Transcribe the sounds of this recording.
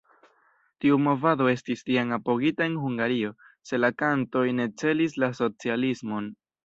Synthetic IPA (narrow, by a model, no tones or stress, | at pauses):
tiumo̞vado̞e̞stistiaŋapo̞ɡitae̞nhuŋɡaɾio̞ | se̞lakanto̞jne̞t͡se̞lislaso̞t͡sialismo̞n